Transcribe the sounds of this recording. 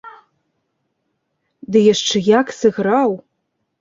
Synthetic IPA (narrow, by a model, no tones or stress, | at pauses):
dɨjɐʂʈ͡ʂʰɨjakʰsɨɣraw